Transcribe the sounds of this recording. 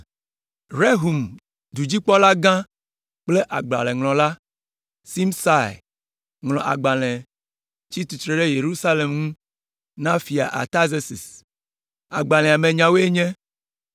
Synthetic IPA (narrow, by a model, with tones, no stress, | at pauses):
ɾe˦ɦu˨m | d̪u˨d͡ʑi˦k͡pɔ˦la˦ɡã˦ | k͡ple˦ʔa˨ɡ͡bla̰˨lɛ̃˨ŋlɔ̃˨la˦ | si˦msa˦˨j | ŋlɔ̃˨ʔa̰˨ɡ͡ba˨lɛ̃˨ | t͡ɕi˦t̪u˨t̪ɾe˨ɖe˦je˨ɾu˦sa˦le˨mŋũ˦ | nã˦fi˨a̰˨ʔa̰˨t̪a˦ze˦si˨s | a̰˨ɡ͡ba˨l̃ɛ̃˨a˨mẽ˨ɲã˨wo˦e˦ɲɛ̃˦